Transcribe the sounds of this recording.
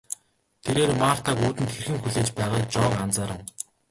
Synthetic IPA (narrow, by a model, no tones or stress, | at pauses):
t̪ʰeɾeːrmaːr̥t̪ʰaːkuːt̪ɘ̆nt̪xerxɘ̆ŋxuɮeːt͡ɕpæːʁaːk̚t͡ɕɔːkant͡saːɾə̆w